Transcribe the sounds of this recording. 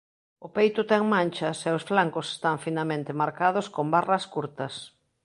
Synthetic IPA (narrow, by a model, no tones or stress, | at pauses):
ʊpejt̪ʊt̪ɛŋmãnʲt͡ʃɐsɛʊsflaŋkʊse̥st̪aŋfinalmẽnt̪ɪmaɾkaðʊskombarɐskuɾt̪ɐs